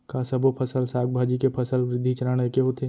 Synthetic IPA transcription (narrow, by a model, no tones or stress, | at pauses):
kaːsɐbʱopʰɐsəlsaːk̚bʱaːd͡ʒikepʰɐsəlʋɾɪd̪ʱːit͡ʃɐɾaːɽ̃ekeɦot̪ʰeː